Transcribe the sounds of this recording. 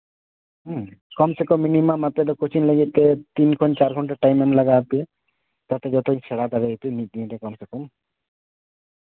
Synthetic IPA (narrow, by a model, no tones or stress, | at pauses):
ɦkɔmsekɔminimamat̪ɛd̪̬ɔkɔt͡ʃʰinləɡit̪̚t̪et̪inkʰɔnt͡ʃaɾkʰɔɳʈaʈajmamləɡat̪i | t̪at̪ed͡ʒɔt̪ʰɔĩsʰɛɽad̪aɾeit̪unit̪̚ˀd̪iẽt̪ekɔmsekɔm